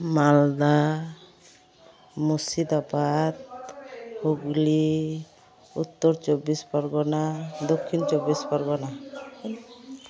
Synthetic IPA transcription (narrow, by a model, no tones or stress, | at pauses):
mald̪a | musid̪abad̪̚ | huɡli | ut̪ːɔɾt͡ʃɔbispaɾɡɔnad̪ɔkʰːint͡ʃɔbispaɾɡɔna